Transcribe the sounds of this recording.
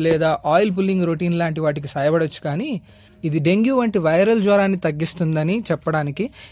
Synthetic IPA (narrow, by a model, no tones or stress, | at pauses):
lɛːd̪aːʔaːjlp̬ulːiŋɡɾoʈiːnlaːɳʈiʋaːʈik̬isɐːjɐbɐɽɐt͡ʃːu̥kaːni | id̪iɖe̞ŋɡjuːʋɐɳʈiʋɐjɾɐld͡ʒʋɐɾaːnːit̪ɐɡːist̪und̪ɐnit͡ʃɛpːɐɽaːniki